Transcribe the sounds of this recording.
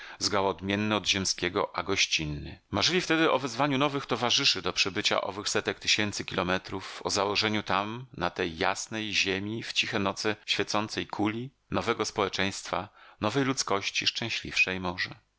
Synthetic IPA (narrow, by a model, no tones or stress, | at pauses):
zɡawɔːd̪mʲjɛnːɛɔd̪ʑɛmskʲɛɡɔ̰ʔaɡɔɕt͡ɕinːɘmaʐɘlʲift̪ɛd̪ɘʔɔvɛzvaɲunɔvɘxt̪ɔvaʐɘʂɘd̪ɔpʂɛbɘt͡ɕa̰ʔɔ̰vɘxsɛt̪ɛk̚t̪ɘɕɛnt̪sɘkʲilɔmɛt̪ɾufɔ̰zawɔʐɛɲut̪amnat̪ɛjːa̰snɛjʑemʲift͡ɕixɛnɔt̪sɛɕfʲjɛt̪sɔnt̪sɛjkʰulʲi | nɔvɛɡɔspɔwɛt͡ʂɛ̃j̃st̪fa̰nɔvɛjlut̪skɔɕt͡ɕiʂt͡ʂɛ̃w̃ɕlʲḭfʂɛjmɔʐɛ